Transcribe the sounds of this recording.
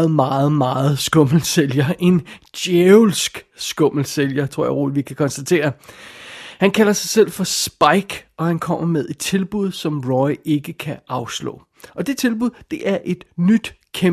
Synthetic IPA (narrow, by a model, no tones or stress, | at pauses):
ð̩ˠmɑ̈ːð̞̩ˠmɑ̈ːð̞̩ˠsɡ̥ɔ̽ml̩seljɐʔe̝nd̥jeʊlsɡ̥sɡ̥ɔ̽m̰l̩seljɐt͡sʰʁo̝ɐ̰jäɪʁo̰ːlʋikʰækʰɒ̽nsd̥æt͡sʰe̝̰ːɐ | hænkʰælɐsɑ̈ɪsel̰fɒ̽sb̥ɑ̈ɪɡ̥ɒ̽hænkʰɒ̽m̰ɐmeð̞ˠed̥̚t͡sʰe̝lb̥uð̞ˠsɒ̽mʁɒɪe̝ɡ̥əkʰæɑ̈ʊslɔ̰̽ː | ʔɒ̽d̥e̝t͡sʰe̝lb̥uðˠd̥e̝ʔæɐʔe̝d̥nyd̥kʰe